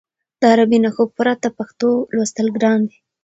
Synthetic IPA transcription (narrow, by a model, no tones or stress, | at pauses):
d̪̥əaɾabinaxopuɾat̪apaxt̪olwast̪əlɡɾɑnd̪i